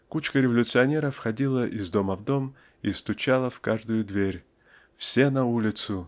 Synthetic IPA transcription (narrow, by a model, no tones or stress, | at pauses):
kut͡ɕkəɾʲɪvɐlʲʊt̪sɨɐnʲe̞ɾəfxɐdʲilˠəʔɪzd̪o̞məvd̪o̞m | ist̪ʊt͡ɕalˠəfkaʐd̪ʊjʊd̪vʲeɾʲ | fsʲenɐulʲɪt̪sʊ